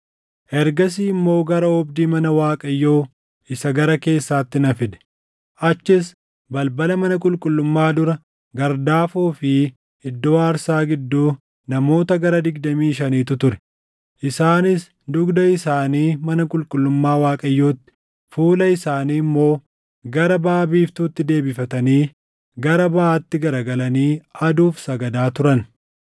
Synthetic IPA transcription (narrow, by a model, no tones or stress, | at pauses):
ʔɛɾɡɐs̬iːmːo̞ːɡɐɾɐɔbd̪iːmɐnɐwaːkʼɐjːo̞ː | ɪsɐɡɐɾɐke̞ːsːaːt̪ːɪnɐfɪd̪ɛ̥ | ʔɐt͡ʃːɪs | bɐlbɐlɐmɐnɐkʼʊlkʼʊlːʊmːaːd̪ʊɾɐ | ɡɐɾd̪aːfuːfɪ | ɪd̪ːoːaːɾsaːɡɪd̪ːuː | nɐmo̞ːt̪ɐɡɐɾɐd̪ɪɡ̚d̪ɐmiːʃɐniːt̪ʊt̪ʊɾɛ̥ | ʔɪsaːnɪs | d̪ʊɡd̪ɐɪsaːniːmɐnɐkʼʊlkʼʊlːʊmːaːwaːkʼɐjːo̞ːt̪ːɪ̥ | fuːlɐɪsaːniːmːo̞ː | ɡɐɾɐbaːbiːft̪uːt̪ːɪd̪e̞ːbɪfɐt̪ɐniː | ɡɐɾɐbɐaːt̪ːɪɡɐɾɐɡɐlɐniːɐd̪uːfsɐɡɐd̪aːt̪ʊɾɐn